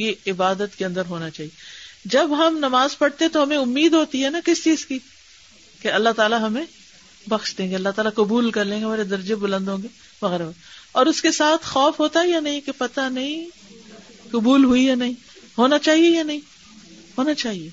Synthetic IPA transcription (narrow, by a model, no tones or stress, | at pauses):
jeɪbaːd̪ət̪keɐ̃nd̪əɾɦoːnat͡ʃaːɦied͡ʒɐbɦɐmnɐmaːzpɐɽt̪ẽɦɛ̃t̪oɦɐmẽʊmːiːd̪ɦoːt̪iɦɛnakɪst͡ʃiːz̥ki | keɐlːaɦt̪aːlaɦɐmẽ | bɐxʃd̪ẽːŋɡeɐlːaɦt̪aːlakʊbuːlkɐɾlẽːɡeɦmaːɾed̪ɐɾd͡ʒebʊlə̃nd̪ɦõːɡe | ʋɐɣɛːɾaboɔːɾʊskesaːt̪ʰxɔːfɦoːt̪aɦɛjanɐɦĩkepɐt̪anɐɦĩ | kʊbuːlɦuijanɐɦĩ | ɦoːnat͡ʃaːɦiejanɐɦĩ | ɦoːnat͡ʃaːɦieː